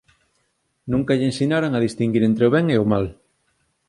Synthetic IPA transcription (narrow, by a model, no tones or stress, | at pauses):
nũŋkaʎensinaɾaŋaðist̪iŋɡiɾent̪ɾeoβɛŋeomal